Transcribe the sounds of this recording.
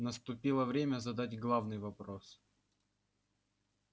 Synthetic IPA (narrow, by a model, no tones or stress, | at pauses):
nəst̪ʊpʲilˠəvɾʲemʲəzɐd̪atʲɡlˠavnɨjvɐpɾos